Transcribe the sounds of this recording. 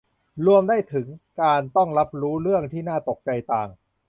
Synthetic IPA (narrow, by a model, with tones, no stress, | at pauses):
ɾu˧əmdaː˥˩jt̪ʰɯ˩˦ŋkaː˧nt̪ɔ˥˩ŋla˦˥p̚ɾuː˦˥ɾɯ˥˩əŋt̪ʰiː˥˩naː˥˩t̪o˨˩k̚t͡ɕa˧jt̪aː˨˩ŋ